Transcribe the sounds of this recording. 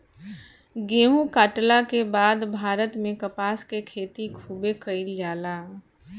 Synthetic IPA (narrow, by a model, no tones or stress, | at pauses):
ɡeːɦũkaːʈlakebaːd̪bʱaːɾət̪mẽkəpaːskekʰeːt̪ikʰuːbekəɪljaːlaː